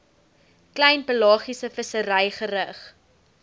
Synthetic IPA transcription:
klɛjnpəlɑːχisəfəsəɾɛjχəɾəχ

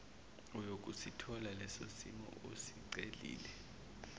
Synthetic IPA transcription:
ɔjok̬ʼusitʰɔlalɛso̰simɔ̰ʔosiǀelḭːlɛ

